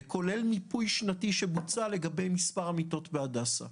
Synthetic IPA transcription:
kʰo̞le̞lmipujʃnatiʃebut͡sale̞ɡabe̞jmispaʁamito̞tbeadasa̰

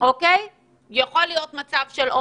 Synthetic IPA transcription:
okej | jaχolijo̞t̪mat͡sav̥ʃelʔo

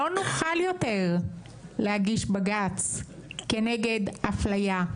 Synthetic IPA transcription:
onuχaljo̞teʁ | lehaɡiʃbaɡat͡ske̞neɡe̞daflaja

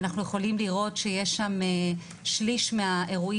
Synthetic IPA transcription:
naχnuje̞χo̞limliʁo̞tʃejeʃʃame | ʃliʃmeaʔe̞ʁuʔi

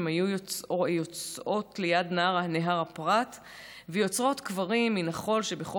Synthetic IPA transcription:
mhajujot͡sojot͡sʔo̞tlejadnaaʁaneɦaʁapʁat | vejo̞t͡sʁo̞t̪kvaʁimːinaχo̞lʃe̞beχo

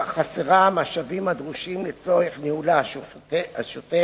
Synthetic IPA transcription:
χaseʁamaʃavimad̪ʁuʃimlet͡soeχneulaʃoaʃote

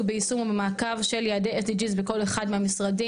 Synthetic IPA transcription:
beisumubemaːkavʃe̞ljaːdejʔet̪id͡ʒizbeko̞leχadmehamisʁadi

